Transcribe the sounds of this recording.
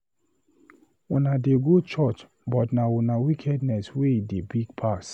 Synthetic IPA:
unadeɡot͡ʃɔt͡ʃ | bɔtnaunawikʰɛdnɛsweidebiɡ̚pʰaks

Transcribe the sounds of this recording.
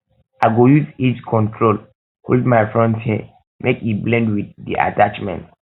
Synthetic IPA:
aɪɡojuziskʰɔ̃ntʰɹol | holdmajfɹɔ̃ntʰhɛ̃ | mʔekiblɛ̃ndwiθdḭʔa̰tat͡ʃmɛ̰̃nt

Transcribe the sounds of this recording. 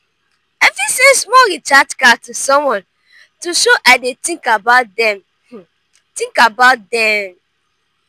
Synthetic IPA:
ɛfisẽsmɔɹitatkatusɔ̃mwɔ̃n | tuʃoʔaɪdetĩŋkabaʊtdɛ̃m | tĩŋkabaʊt̚dɛ̃m

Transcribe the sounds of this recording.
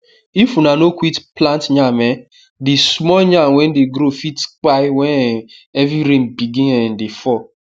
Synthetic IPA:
ifunanokʷwitplãntɲamɛ | dismɔɲãwɛ̃ndeɡɾofitk͡paɪwɛ̃nɛvɾiɾẽmbiɡĩnɛ̃ndefɔ

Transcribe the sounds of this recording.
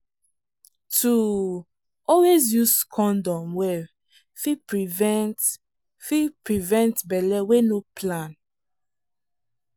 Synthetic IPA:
tu | ɔlwezjuskʰɔ̃ndɔ̃mwɛ | fipɹivɛt | fipɹivɛ̃ntbɛlɛwenopʰlãn

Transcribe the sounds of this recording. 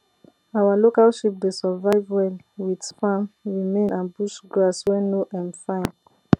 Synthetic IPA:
awalokalʃip̚desɔvaɪvwɛl | widpãmɹimẽnãnbuʃɡɹaswɛ̃noʔãmfãɪ̃n

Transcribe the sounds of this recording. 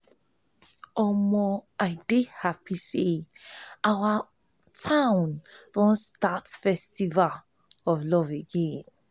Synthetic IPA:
ɔmɔaɪdehapise | ʔawa | tʰãʊ̃nd̥ɔ̃nstatfɛstival | ɔvlɔveɡẽn

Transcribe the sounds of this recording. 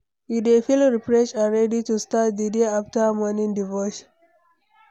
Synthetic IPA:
iefilɹipɹɔʃaɹɛditustat̚d̪ədeaftəmɔnĩŋdivɔʃ

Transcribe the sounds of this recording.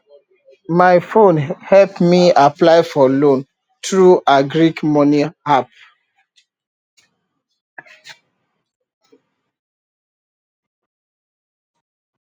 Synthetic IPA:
maɪfõnhɛlpmiaplaɪfɔlõn | tɹuaɡɹikmɔnĩhap

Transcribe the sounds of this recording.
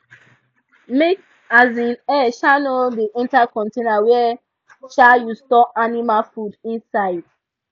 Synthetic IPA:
mek | azĩnɛʃanodeʔĩntakɔ̃ntenawɛ | ʃajustɔanimafudĩnsaɪd̥

